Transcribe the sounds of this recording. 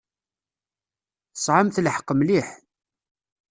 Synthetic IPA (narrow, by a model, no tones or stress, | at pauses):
θəsˤʕəmθləħəqːəmliħ